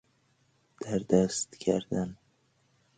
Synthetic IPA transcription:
d̪̥æɾd̪æst̪kʰæɾd̪an

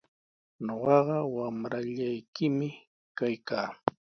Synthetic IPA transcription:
ɲoɢɑɢɑwamɾaʎajkɪmɪ | kajkaː

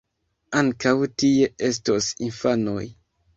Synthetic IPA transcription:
aŋkawtie̞ʔestosinfano̰j

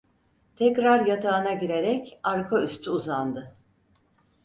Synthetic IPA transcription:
t̪ʰɛcɾaɾjat̪ʰaːnaɟiɾeɾɛcaɾkʰayst̪ʰyuzand̪ɯ

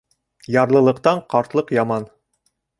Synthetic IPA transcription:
jɑɾlˠɤ̆lˠɤ̆qt̪ɑɴqɑɾt̪lˠɤqjɑmɑn

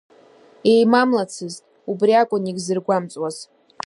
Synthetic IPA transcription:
e̞jmamlat͡sʰɨztʼ | ubriakʷʼʊniɡʲzɨrɡʷamt͡sʼwaz̥

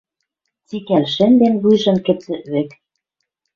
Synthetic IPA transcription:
t͡sikælʃɘ̆nd̪enβujʒɤ̆nkɘ̆t͡sɘ̆βĕk

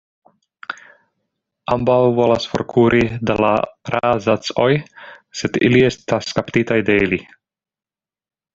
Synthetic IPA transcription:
ambawvolasfo̰ɾkʰuːɾʔid̪ala̰ɾʔazat͡sojsed̪ḭliest̪askapt̪it̪ajd̪eili

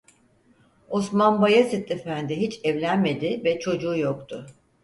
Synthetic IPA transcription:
osmanbajasit̪ːefænd̪ɪɦit͡ʃɛvlʲænme̞d̪ɪvɛt͡ʃʰo̞d͡ʒuːjokt̪ʰʊ

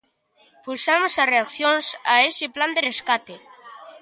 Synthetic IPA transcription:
pulsamosareakθjonsaesepland̪ereskat̪e

